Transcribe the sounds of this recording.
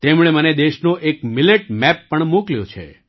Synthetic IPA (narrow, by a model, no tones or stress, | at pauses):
t̪emɽ̃eməned̪eʃnoʔekmɪleʈmɛpːəɳmukljõ̰t͡ʃʰḛ